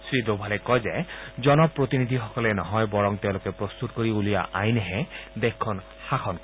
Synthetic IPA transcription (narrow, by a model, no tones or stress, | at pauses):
sɹidobʱalɛkɔjzɛzɔnɔpɹot̪inid̪ʱixɔkɔlɛnɔɦɔjbɔɹɔŋteʊ̃lokɛpɹɔst̪utkoɹiulija̰ʔajnɛɦɛd̪ɛkʰːɔn | xaxʰɔnkɔi